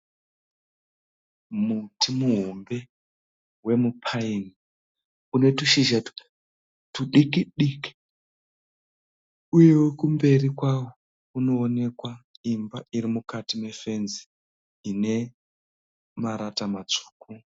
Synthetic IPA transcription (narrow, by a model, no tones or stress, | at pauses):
mutimuɦombe̞ | we̞mupʰaini | une̞tuʃiʒatu̥ | tuɗikiɗiki̥ | uje̞wekumbe̞rikwawo | kuno̞ːne̞kwaimbaiɾimukatime̞fe̞nziː | ne̞ | maɾatamat͡ʂu̥ːku